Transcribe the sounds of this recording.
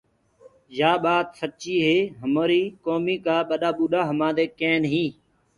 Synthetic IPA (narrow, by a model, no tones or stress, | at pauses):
d͡ʒaːɓaːt̪sətːt͡ʃiːɦeːɦəmoːɾiːkoːmiːkaːɓəɗaːɓuːɗaːɦəmãːd̪eːkẽːnɦĩː